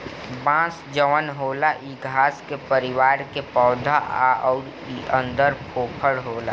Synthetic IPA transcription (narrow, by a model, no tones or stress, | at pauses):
bãːsd͡ʒəʋənɦoːlaʔiɡʱaːskepəɾɪwaːɾkepɔːd̪ʱaʔa̰ɔːɾ | iʔə̃nd̪əɾpʰoːpʰəɽɦoːla̰